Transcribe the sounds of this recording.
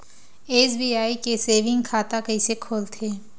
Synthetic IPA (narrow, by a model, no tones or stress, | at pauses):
eːsbiːaːikeseːʋɪ̃ŋɡkʰaːt̪akɐisekʰoːlt̪ʰeː